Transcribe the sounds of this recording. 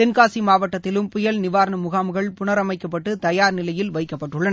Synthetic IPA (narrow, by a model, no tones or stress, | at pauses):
t̪ɛnkaːsimaːʋɐʈːɐt̪ːɪlɯmpʊjɐlnɪʋaːɾnɐmʊɣaːmɯɣɐɭpʊnɐɾɐmɐɪkːɐpːɐʈːɯt̪ɐjaːɾnɪlɐjɪlʋɐɪkːɐpːɐʈːɯɭːɐnɐ